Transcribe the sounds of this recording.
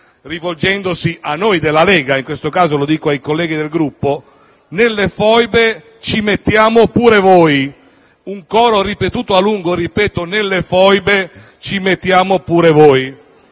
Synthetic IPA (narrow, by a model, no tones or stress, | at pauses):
rivold͡ʒɛnd̪osiʔanːojd̪elːalɛːɡaiŋkwest̪okaːzolod̪iːkoajkolːɛːɡid̪elɡɾupːo | nelːefɔjbe | t͡ʃimet̪ːjaːmopuːɾevɔj | uŋkɔːɾoɾipet̪uːt̪oaluŋɡoripɛːt̪onelːefɔjbe | t͡ʃimet̪ːjaːmopuːɾevɔːj